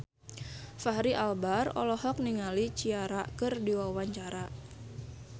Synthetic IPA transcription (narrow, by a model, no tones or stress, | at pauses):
faɦɾiʔalbarɔ̰lɔhɔk̚niŋalit͡ʃiaɾakɨrdiwawaɲt͡ʃaɾa